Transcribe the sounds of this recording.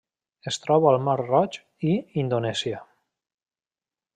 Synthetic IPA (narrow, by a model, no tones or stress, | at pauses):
est̪ɾɔβaəlˠmarrɔt͡ʃ | iind̪onɛsiə